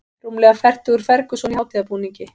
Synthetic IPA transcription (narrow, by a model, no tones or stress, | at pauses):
rumlɛɣafɛr̥t̪ʏɣʏɾ̥fɛɾkʏsɔnihaːwt̪ɪðapuːniɲcɪ